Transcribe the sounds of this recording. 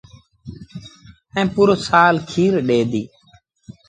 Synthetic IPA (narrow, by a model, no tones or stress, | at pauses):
ɛ̃ːpuːɾosaːlkʰiːɾɗeːd̪iː